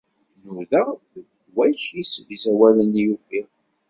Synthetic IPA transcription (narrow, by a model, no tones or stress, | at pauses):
nʊðə | ɡ | wæçisəvzæwælənjufi